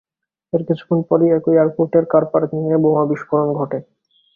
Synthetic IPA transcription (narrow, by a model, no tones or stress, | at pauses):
eɾkit͡ɕʰu̥konpɔɾiɛkojaɾpoɾʈeɾkaɾpaɾt̪inieboŋabiʃfoɾonɡʱɔʈe